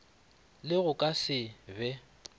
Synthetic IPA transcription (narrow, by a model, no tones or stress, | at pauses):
lɪɣʊkʼasɪbɛ